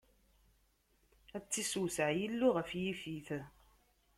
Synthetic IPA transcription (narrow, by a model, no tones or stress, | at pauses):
æt͡sːisuwsəʕjilːuʁəfjifiθ